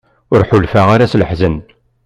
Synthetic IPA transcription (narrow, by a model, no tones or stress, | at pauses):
ʊɾħʊlfaʁaɾasləħzən